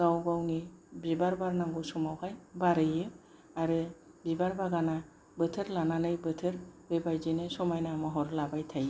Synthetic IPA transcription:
ɡ̥awɡawnibibaɾbaɾnaŋɡusɔmawhajbaɾɯjɯ | aɾɯ | bibaɾbaɡana | bɯt̪ʰɯɾlananɯjbɯt̪ʰɯɾbebajzinesɔmajnaamɔɦɔɾlabajt̪ʰaj

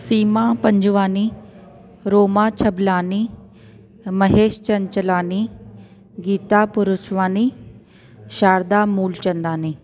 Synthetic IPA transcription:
siːmapəɲd͡ʑʋaːni | ɾoːmat͡ɕʰəblaːni | məɦeːʃt͡ɕɐɲt͡ʃlaːni | ɡiːt̪apuɾusʋaːni | ɕaːɾd̪amuːlt͡ɕɐnd̪aːniː

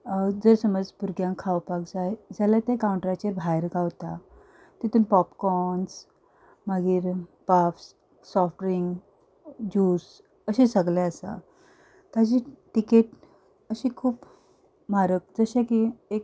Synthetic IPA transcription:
d͡zəɾsəməd͡zbuɾɡjãŋkʰːaʋpaɡd͡zaed͡zalat̪jakawuɳʈɾat͡ɕeɾbʱajɾɡaʋt̪a | t̪it̪uːnpɔpkɔns | məɡiːɾpafs | sɔfʈɾiŋɡ | d͡ʑuːs | əɕesəɡlɛ̃əsa̰ | t̪ad͡ʑiʈikeʈ | əɕikʰuːp | maɾək̚d͡zəɕẽkiek̚

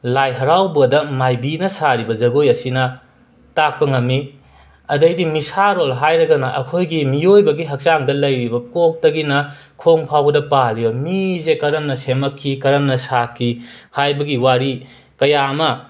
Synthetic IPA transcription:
lajɦɐɾawbɐdɐmajbinɐsaɾibɐzɐɡojɐsinɐ | tak̚pɐŋɐmːi | ɐdɐjdimisaɾolɦajɾɐɡɐnɐʔɐ̰kʰojɡimiojbɐɡiɦɐk̚t͡ʃaŋdɐlɐjɾibɐkok̚tɐɡinɐ | kʰoŋpʰawɐdɐpalibɐmizekɐɾɐmnɐsemɐkʰːikɐɾɐmnɐsakʰːihajbɐɡiwaɾi | kɐjaɐmɐ

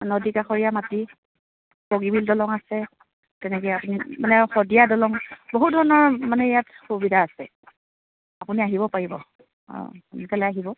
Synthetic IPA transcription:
nɔdikaxɔɹijamati | poɡibildɔlɔŋasɛ | tɛnɛkɔjapunimanɛxɔdiadɔlɔŋboɦut̚dʱɔɹɔnɔɹmanɛjatxubidʱaasɛ̰ | apuniaɦiβɔpaɹibɔ̰ | nkɛlɛaɦibɔ

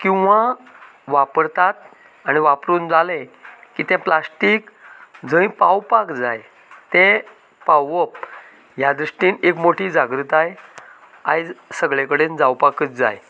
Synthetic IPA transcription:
kĩw̃ʋa | ʋapəɾt̪at̪̚ | aɽ̃iʋapɾuːnd͡zalẽkiːt̪ɛ̃plasʈiːkd͡zə̃ĩpawpakd͡zaj | t̪ɛ̃ | pawəp̚ | jad̪ɾuʂʈiːnekmoʈʰiːd͡zaɡɾut̪aj | ajd͡zsəɡɭekəɽend͡zawpakət͡sd͡za̰j

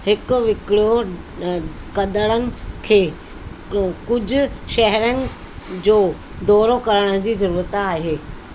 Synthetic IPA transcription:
hɪkʊ̆ʋɪkɽjo | kɐd̪əɽ̃ənɪ̆kʰeː | kʊd͡ʑʱʊ̆ʃɛɦɾənɪ̆ | d͡ʑoː | d̪ɔːɾokɐɾəɽ̃ə̆d͡ʑiːzɐɾuːɾət̪aːɦeː

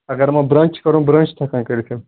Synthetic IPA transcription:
ɐɡəɾmɐ̃bɾɐ̃nt͡ʃkɐɾũbɾɐ̃nt͡ʃt̪ʰɐkãːkɐɾit̪ʰe

